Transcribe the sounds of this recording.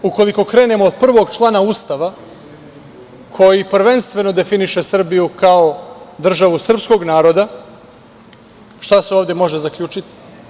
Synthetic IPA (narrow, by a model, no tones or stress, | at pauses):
uko̞liko̞kɾe̞ːne̞moːd̪̚pr̩ʋo̞ɡt͡ʃlˠaːnauːst̪aʋa | kʰo̞jipr̩ʋe̞nst̪ʋe̞no̞d̪e̞finiʃe̞sr̩bijukao̞d̪r̩ʒaʋusr̩psko̞ɡnaːɾo̞d̪a | ʃt̪aseoːvd̪e̞mo̞ʒezakʎʲuːt͡ʃit̪i̥